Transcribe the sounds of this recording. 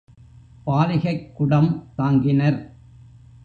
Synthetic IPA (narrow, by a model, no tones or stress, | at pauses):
paːlɪɣɐɪkːʊɽɐmt̪aːŋɡɪnɐɾ